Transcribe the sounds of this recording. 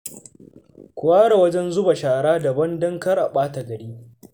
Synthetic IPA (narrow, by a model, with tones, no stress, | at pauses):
kʷʊ˨waː˦ɽa˨wɐ˦d͡ʒɛ˦nzʊ˦ba˨ʃaː˨ɽaː˦dɐ˨bɐ˦ndɐ˦ŋkɐ˦rʔa˨ɓaː˦ta˨ɡɐ˨ɽiː˦